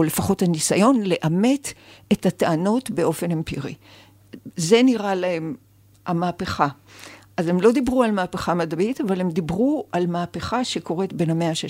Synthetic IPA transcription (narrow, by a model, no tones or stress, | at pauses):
ole̞faχo̞thanisajo̞nle̞ʔame̞tethataano̞tbe̞o̞fe̞nempiʁḭ | ze̞niʁalahe̞m | amaːpeχaʔaze̞mlo̞d̪ibʁualmaːpeχamadabitavalemd̪ibʁuʔalmaːpeχaʃe̞ko̞ʁe̞tbe̞nhame̞aʃe